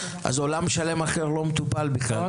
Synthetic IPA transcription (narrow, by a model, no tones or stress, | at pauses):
ʔa̰zo̞lamʃale̞maχeʁlo̞met̪upalbiχla̰l